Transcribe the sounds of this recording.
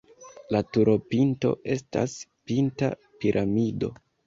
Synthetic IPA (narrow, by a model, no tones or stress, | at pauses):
latuɾo̞pinto̞̰ʔe̞sta̰spinta̰ | piɾʔamido̞̰